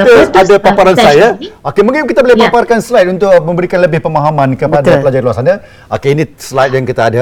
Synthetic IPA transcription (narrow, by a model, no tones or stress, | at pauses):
t̪uadapapaɾansajaokemũŋkɪnkit̪abolɛeɦbaparkansəlajt̪unt̪ʊkmə̃mbəɾikanləbɪhpəmaɦamãnkəpad̪apəlad͡ʒaluasana | okeinĩslajt̪̚jaŋkit̪aːda